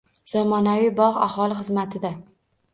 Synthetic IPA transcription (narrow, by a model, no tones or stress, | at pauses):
z̥amɒnavijbɒʁa̰hɒlˠɪχɨzmat̪ʰɪd̪a